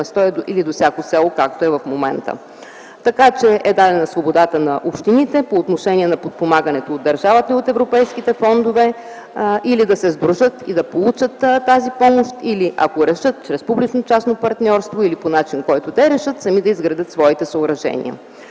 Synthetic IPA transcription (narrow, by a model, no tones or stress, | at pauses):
ɛst̪ɔɛd̪oilid̪osjakosɛlˠokakt̪oɛvɐfmomɛ̰nt̪ə̰ | t̪ɐkat͡ʃɛʔɛd̪ad̪ɛnɐsvobod̪at̪ənɐʔopʃt̪init̪ɛpoːt̪noʃɛniɛnɐpot̪̚pomaɡənɛt̪oːd̪ːɐɾʒavət̪iot̪ɛvɾopɛjskit̪ɛfɔnd̪ovɛ | ʔilid̪ɐsɛzbɾuʒət̪ḭd̪ɐpolˠut͡ʃət̪tːazipɔmoʃt̪iliʔɐ̰koɾɛʃət̪̚t͡ʃɾɛspublit͡ʃnot͡ʃasnopɐɾt̪nʲɔɾst̪voiliponat͡ʃinkɔjt̪od̪ɛɾɛʃɤt̪sɐmid̪ɐizɡɾɐd̪ət̪svɔit̪ɛsəoɾɐʒɛ̰nḭə̰